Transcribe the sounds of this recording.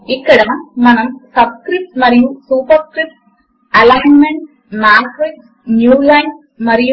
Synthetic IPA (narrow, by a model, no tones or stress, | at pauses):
ikːɐɽɐnɐmɐnɐmsɐbskrip̚ʈmɐrijusuːpɐrskɾip̚ʈ | ɐlaɦɐnmeɳɖ | maːkri | njuːlajn | mɐriju